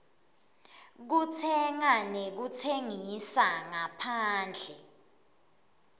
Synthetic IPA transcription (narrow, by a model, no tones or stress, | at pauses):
k̬utʰɛŋanek̬ut͡sʰeŋisaŋapʰaːnd͡ɮʱɛ